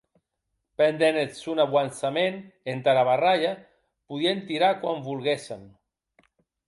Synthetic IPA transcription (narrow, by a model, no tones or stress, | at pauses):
pend̪enesunaβwansamenent̪aɾaβaraʎa | puðient̪iɾakwambulɣesem